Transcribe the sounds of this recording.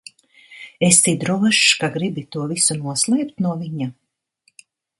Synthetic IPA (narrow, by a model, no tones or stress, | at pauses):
est̪id̪ɾɔvɛʃkaɡɾibit̪uɔvisunuɔslˠɛjpt̪nuɔviɲa